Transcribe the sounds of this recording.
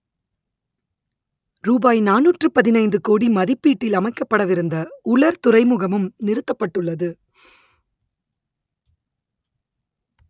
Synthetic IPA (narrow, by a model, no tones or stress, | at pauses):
ɾuːbaːjnaːnuːʈrɯpɐðɪnɐɪnd̪ɯkoːɽimɐðɪpːiːʈːɪlɐmɐɪkːɐpːɐɽɐʋɪɾɯnd̪ɐʊɭɐɾt̪ʊrɐɪmʊɣɐmɯmnɪɾɯt̪ːɐpːɐʈːɯɭːɐðɯ